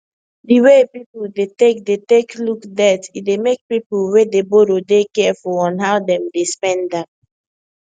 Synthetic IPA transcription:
diwepipuldetek̚deteklukdɛtitdemek̚pipuwedeboɾodekɛafɔɔ̃nɦaʊdɛ̃mdespɛ̃ndap̚

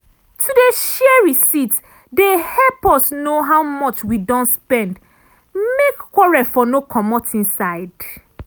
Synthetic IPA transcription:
tʰudeʃɛɛɹisit | dehɛlpɔsnoɦaʊmɔt͡ʃwidɔ̃ntspɛ̃nd | mekːɔɹɛfɔnokʰɔmɔtĩnsaɪd

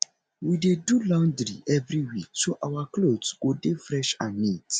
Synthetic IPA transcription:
widedulãʊ̃ndɾḭʔɛvɾiwik̚soʔawaklodsɡodefɹɛʃãnːit

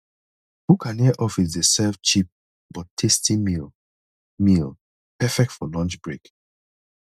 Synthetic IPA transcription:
bukʰãniʔɔfis̬desɛvt͡ʃip̚ | b̥ɔtʰestimi | mil | pɛfɛk̚tfɔlɔ̃nt͡ʃbɹek

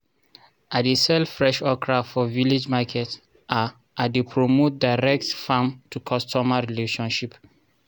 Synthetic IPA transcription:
ʔadesɛlfɹɛʃɔkʰɹaftfɔvilid͡ʒmakʰɛt | ʔa | ʔadepʰɹomot̚daɪɹɛk̚tfãmtukʰɔstɔmaɹileʃɔ̃nʃip

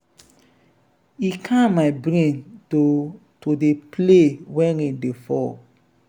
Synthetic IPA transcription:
ikʰãmaɪbɾẽnto | todeplewɛ̃nidefɔ̰

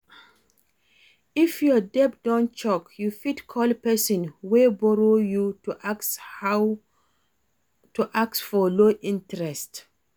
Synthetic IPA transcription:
ifjɔdɛp̚d̥ãnt͡ʃɔkjufitkʰɔlpɛsɔ̃nwebɔɹojus | tuʔaksfɔloʔĩntɹɛst

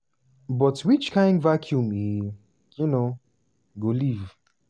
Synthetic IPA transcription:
bɔtwit͡ʃkʰãɪ̃ndvakʰjumi | juno | ɡoliv

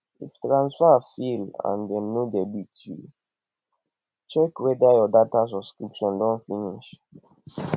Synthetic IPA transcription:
iftɹãnsfafilã̰ndɛ̃nːudɛbitʰṵ | t͡ʃɛkwɛdajɔdatas̬ɔskɹipʃɔ̃ndɔ̃nfiniʃ

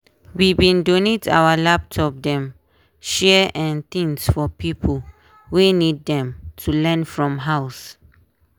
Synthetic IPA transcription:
wibĩndoneta̰wəlap̚tʰɔp̚dɛ̃m | ʃɛʔɛ̃nt̪ĩŋsfɔpipʰəl | wenid̚dɛ̃mtʰulɛ̃nfɹɔ̃mɦaʊs

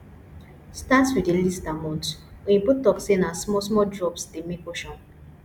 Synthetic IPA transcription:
statwidelistamɔ̃nt | ojĩputɔksenasmɔs̬mɔdɹɔpstemikoʃɔ̃n

